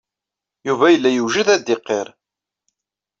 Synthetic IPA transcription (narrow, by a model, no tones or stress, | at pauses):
juvæjəlːæjuʒəðæd̪ɪqːeɾˤ